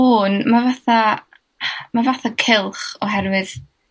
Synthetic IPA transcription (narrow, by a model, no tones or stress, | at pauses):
ʊːnmavaθa | mavaθakʰɪlˠχɔɦɛrwɨð